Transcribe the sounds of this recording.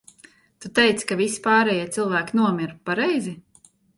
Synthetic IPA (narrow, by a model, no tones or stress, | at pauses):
t̪ut̪ɛjt̪skavisi̥paːɾɛjiɛt̪sɨlˠvæːkʲnuɔmʲiɾpaɾɛjzi